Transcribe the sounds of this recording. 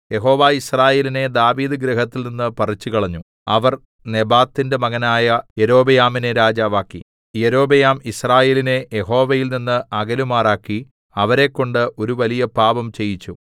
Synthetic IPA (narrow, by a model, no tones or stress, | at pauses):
je̞ɦo̞ːʋaːisraːje̞ːline̞d̪aːʋiːd̪ɨɡɾeɦɐt̪ːilninːɨpɐrit͡ɕːukɐɭɐɲːu | ɐʋɐr | ne̞baːt̪ːinde̞mɐɣɐnaːjɐjeɾo̞ːbɐjaːmine̞ɾaːd͡ʑaːʋaːkːḭ | jeɾo̞ːbɐjaːmisraːje̞ːline̞jeɦo̞ːʋɐjilninːɨʔɐɡɐlumaːraːkːi | ɐʋɐɾe̞kːo̞ɳɖɨʔo̞ɾuʋɐlijɐpaːbɐmt͡ɕe̞jit͡ɕːu